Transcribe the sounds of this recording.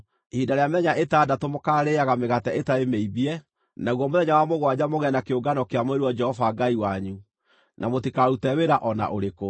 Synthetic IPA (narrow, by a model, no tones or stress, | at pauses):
hidaɾeamɛɲaʔetadatomokaɾeaɣameɣatɛetaemeiβiɛ | naɣwɔmoðɛɲawamoɣwad͡ʑamoɣɛnakeoɡanɔkeamoeɾiwɔd͡ʒɛhɔvaɡaiwaɲu | nʔamotikaɾutɛweɾaʔɔna̰ʔoɾeko